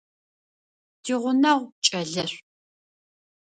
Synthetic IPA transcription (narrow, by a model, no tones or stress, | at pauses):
d̥ʰiʁʷʊnɐʁʷt͡ʃʼɐɮɐr